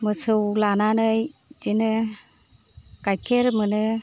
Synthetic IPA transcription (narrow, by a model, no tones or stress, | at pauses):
mɯsɯwlananɯjdinɯ | kajkʰeɾmɯnɯ